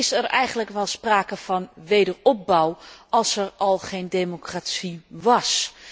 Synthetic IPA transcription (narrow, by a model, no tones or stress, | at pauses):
ɪsərɛjɣəndləkʋɛlˠspraːkəvɔnʋejdərɔp̚bawʔɑlˠsərɔlˠχejndemokratsiʋɑs